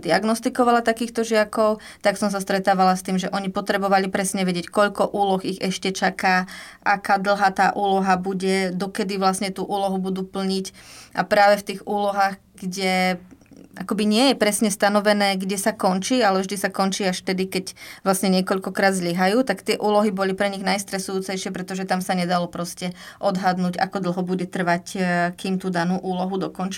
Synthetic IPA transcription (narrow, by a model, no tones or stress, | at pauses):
d̪iaɡnɔst̪ikɔʋalat̪akiːxt̪ɔʒɪakɔʊ | t̪aksɔms̬ast̪ɾɛt̪aːʋalast̪iːmʒɛʔɔɲipɔt̪ɾɛbɔʋalipɾɛsɲɛʋɛɟɪɛckɔʎkɔʔuːlɔxiɣɛʃcɛt͡ʃakaːʔakaːd̪l̩ˠɦat̪aːʔuːlɔɦabuɟɛd̪ɔkɛd̪iʋlasɲɛt̪uːʔuːlɔɦubud̪uːpl̩ɲicʔapɾaːʋɛft̪iːɣuːlɔɦaːɣ | ɡɟɛ | akɔbiɲɪɛjɛpɾɛsɲɛst̪anɔʋɛnɛːɡɟɛsakɔnt͡ʃiːalɛvʒd̪isakɔnt͡ʃiːaʃt̪ɛd̪ikɛcʋlasɲɛɲɪɛkɔʎkɔkɾaːd̪zʎiɦajuːt̪akt̪ɪɛʔuːlɔɦibɔlipɾɛɲiɣnajst̪ɾɛsujuːt͡sɛjʃɪpɾɛt̪ɔʒɛt̪amsaɲɛd̪alɔpɾɔscɛ | ʔɔd̪ɦad̪nuːɟa̰kɔd̪l̩ˠɦɔbuɟɛt̪r̩ʋackiːmt̪uːd̪anuːʔuːlɔɦud̪ɔkɔnt͡ʃi